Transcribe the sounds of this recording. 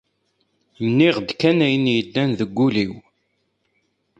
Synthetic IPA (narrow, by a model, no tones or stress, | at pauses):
nːiʁd̪kænæjnjəd̪ːænðəɡʷːuliw